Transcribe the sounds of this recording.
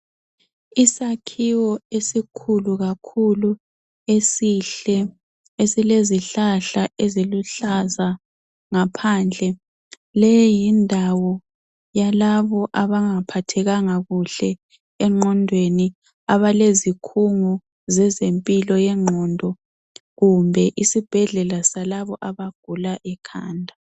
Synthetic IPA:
isakʰiwɔesikʰuluɣakʰulu | esiɬɛ | esileziɬaɬaʔeziluɬaza | ŋapʰaːnd͡ɮʱɛ | lɛjindʱawɔ | jalaβɔʔaβaŋapʰatʰɛɣaŋaɣuɬɛ | ɛŋ͡ǃʱɔndʱweni | aβalezikʰuŋɔ | zɛzempʼilɔjɛŋ͡ǃʱɔːndʱɔ | ɣumbʱɛʔisib̥ʱɛɮɛlasalaβɔʔaβaɡ̥̚ʱulaʔɛkʰaːndʱa

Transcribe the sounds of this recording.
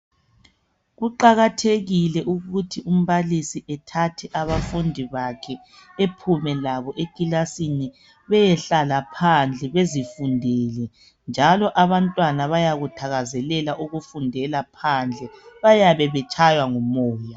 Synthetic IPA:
ɣuǃaɣatʰeɣilɛʔuɣutʰium̩βalisiʔɛtʰatʰɛʔaβafundʱiβakʰɛ | epʰumɛlaβɔʔekilasini | βɛjɛɬalapʰand͡ɮʱɛβezifundʱɛːlɛ | nd͡ʒʱalɔʔaβantʼwanaβajaɣutʰaɣazɛlɛlaʔuɣufundʱɛlapʰand͡ɮʱɛβajaβɛβɛt͡ʃʼajwaŋɔmɔːja

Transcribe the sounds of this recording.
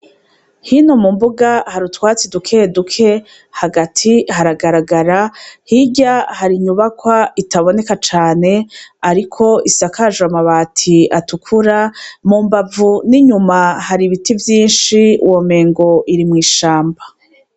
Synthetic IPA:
hino̞mumbuɡahaɾutwaːt͡sidukʰe̞dukʰe̞ | haɡatʰihaɾaɡaɾaɡaɾahiɟahaɾiɲuβakwaitaβo̞ne̞kat͡ʃaːne̞aɾikʰo̞isakaʒuamaβaːtʰiatukʰuɾamuːmbavuniɲumahaɾiβitivjiːnʃiṵwome̞ːŋɡo̞ʔiɾimŋiːʃaːmba

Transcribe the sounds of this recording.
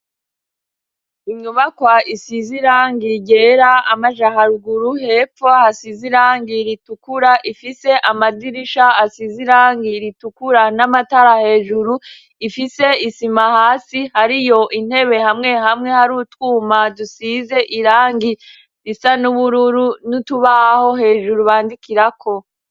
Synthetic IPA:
iɲɲuβakwaisiziɾaːŋɡiɟe̞ːɾaamaʒaɦaɾuɡuɾuhe̞ːfohasiziɾaːŋɡiɾitukuɾaʔifise̞ʔamadiɾiʃahasiziɾaːŋɡiɾitukuɾanamataɾahe̞ːʒuɾu | ifise̞isimahaːsihaɾijo̞ʔin̥he̞βe̞hamŋe̞hamŋe̞haɾutwuːmadusize̞ʔiɾaːŋɡi | ɾisanuβuɾuɾunutuβaho̞he̞ːʒuɾuβaːndikiɾakʰo̞

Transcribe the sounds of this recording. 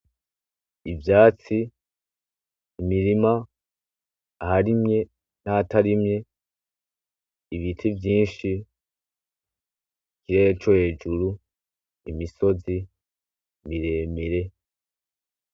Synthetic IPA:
ivjaːt͡si | miɾima | haɾimɲe̞ | naːtaɾimɲe̞ | iβitʰivjiːnʃi | ɡiɾet͡ʃo̞he̞ːd͡ʒuɾu | imiso̞zi | βiɾe̞ːmiɾe̞

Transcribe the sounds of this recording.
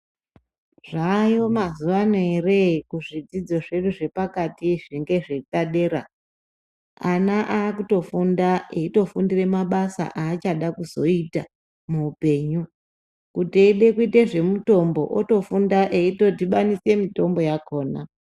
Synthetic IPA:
ʐaːjo̞mazuʋanoerekuʐid͡zid͡zo̞ʐe̞ɗuʐe̞pakatiʐiŋɡe̞ʐetaɗe̞ːɾa̰ | anaʔaːkuto̞fundaeito̞fundire̞maɓasa̰ʔaːt͡ʃaɗakuzo̞ita | muːpe̞ːɲu | kutieɗe̞kuiteʐe̞muto̞mbo̞ʔoto̞fundaʔeito̞tiɓanise̞mito̞mbo̞jako̞ːna

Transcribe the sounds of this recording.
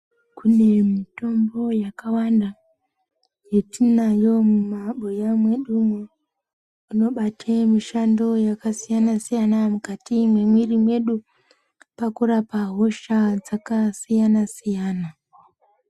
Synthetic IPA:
kune̞mito̞mbo̞jakawanda | je̞tinajo̞mumaɓojamwe̞ɗumwo | uno̞ɓatʰemiʃando̞jakasijanasijanamukatimwe̞mwirimwe̞ɗu | pakurapaɦo̞ʃad͡zakasijanasijaːna

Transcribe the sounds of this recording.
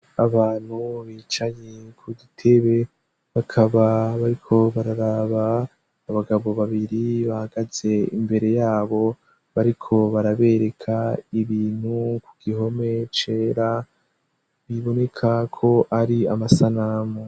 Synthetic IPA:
aβaːn̥huβiːt͡ʃaɲekʰuɡitʰe̞βe̞ | βakʰaβaβaɾikʰo̞βaɾaɾaβaː | βaɡaβo̞βaβiɾiβahaɡ̥az̥e̞imbe̞ɾe̞jaːβo̞ | βaɾikʰo̞βaɾaβe̞ɾe̞kʰaiβiːn̥hukuɡ̥iɦo̞me̞t͡ʃe̞ːɾa | βiβo̞ne̞kʰakʰo̞ʔaɾiamasanamo

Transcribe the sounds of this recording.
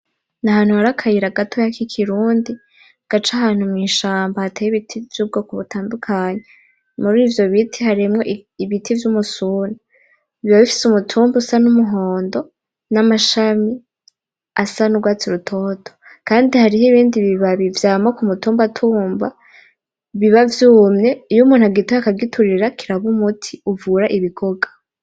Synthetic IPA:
nahaːn̥uhaɾakʰajiɾaɡatʰo̞jakikʰiɾuːndi | ɡ̥at͡ʃahaːn̥humŋiːʃaːmbahatʰejiβitʰivjuːb̚ɡo̞kuβutaːndukʰaːɲe | muɾiːvjo̞βitʰihaɾimŋoʔiβitʰivjumusuna | iβaβifi̥sumutʰuːmbusanumuɦo̞ːndo̞ | namaʃami | asanuɡwaːt͡siɾutʰo̞ːtʰo̥ | kaːndihaɾiɦeiβiːndiβiβaβivjaːmokumutuːmbatʰuːmba | βiβavjuːmɲe̞ijumuːn̥haɡitoakaɡitʰuɾiɾakʰiɾaβumutʰiuvuɾaʔiβiɡoɡḁ

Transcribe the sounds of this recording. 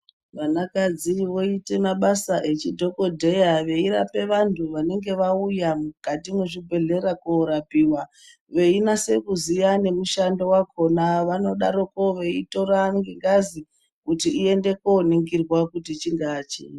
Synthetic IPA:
ʋanakad͡ziʋo̞ite̞maɓasaʔe̞t͡ʃidʱo̞ko̞dʱe̞jaʋe̞iɾa̰pe̞ʋantʰuʋane̞ŋɡe̞ʋaujamukatimweʐibʱe̞ɮe̞ɾakoɾapiwa | ʋe̞inase̞kuzijane̞muʃandowako̞naʋano̞ɗaɾoko̞ʋe̞ito̞ɾaŋɡeŋɡazi | kutiːe̞nde̞koniŋɡirwakutit͡ʃiŋɡaːt͡ʃḛ

